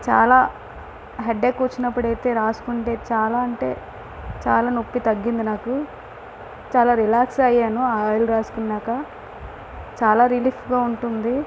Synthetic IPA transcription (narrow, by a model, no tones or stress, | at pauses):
t͡ʃa̰ːlaː | ɦeɖeːkːuːt͡ʃːinɐpːuɽɐjt̪e̞ːɾaːsu̥kuɳʈe̞ːt͡ʃaːlaːɐɳʈe̞̰ː | t͡ʃa̰ːlaːnopːit̪ɐɡːind̪inaːku | t͡ʃaːlaːɾilaːksɐjaːnuaːaːjluɾaːsu̥kunːaːkɐ | t͡ʃaːlaːɾiliːfɡaːuɳʈund̪i